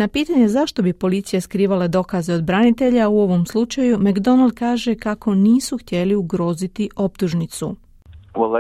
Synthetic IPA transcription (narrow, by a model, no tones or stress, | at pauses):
napiːt̪aɲe̞zaʃt̪o̞bipo̞lit̪sijeskɾiːʋaled̪o̞kazeo̞d̪bɾanit̪e̞ʎauo̞ʋo̞mslˠut͡ʃajumaɡd̪o̞nalˠd̪̚kaːʒe̞kako̞niːsuxt̪je̞liuɡɾo̞ːzit̪iʔo̞p̚t̪uʒnit̪su | olˠ